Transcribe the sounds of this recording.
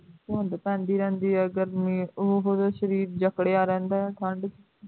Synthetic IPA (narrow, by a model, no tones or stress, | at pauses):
oːə̃nd̪apɛ̃ːnd̪iːɾɛ̃ːnd̪iːɦɛəɡəɾmĩʊɦɦoːd̪aʃəɾiːɾd͡ʒəkɽeːaːɾɛ̃ːnd̪aːʈʰəɳɖ